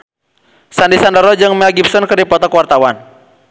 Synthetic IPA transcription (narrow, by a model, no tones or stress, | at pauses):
sandisandɔɾɔd͡ʒɨŋmɛlɡip̚sɔnkɨrdipɔt̪ɔkwart̪awan